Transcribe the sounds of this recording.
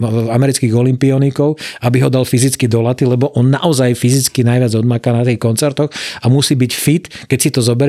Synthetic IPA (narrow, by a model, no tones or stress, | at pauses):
amɛɾit͡skiːɣɔlimpiɔnikɔʊabiɦɔd̪alfizit͡skid̪ɔlat̪ilɛbɔʔɔnːaʔɔzajfizit͡skinajʋɪad͡zɔd̪̚makaːnat̪iːxkɔnt͡sɛɾt̪ɔxamusiːbicfit̪kɛcsit̪ɔzɔbɛɾ